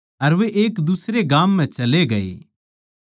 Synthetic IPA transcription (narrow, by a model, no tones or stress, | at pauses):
ɐɾʋeʔeːkd̪usɾeɡaːmːɛ̃t͡ʃɐleɡɐḛː